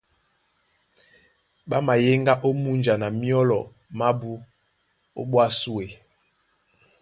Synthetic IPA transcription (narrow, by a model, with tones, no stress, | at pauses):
ɓa˦ma˨je˦ŋɡa˦ʔo˦mu˦nd͡ʒa˨na˨mi˦ɔ˦lɔ˨ | ma˦bu˦ | o̰˦ɓwa˦su˦e˨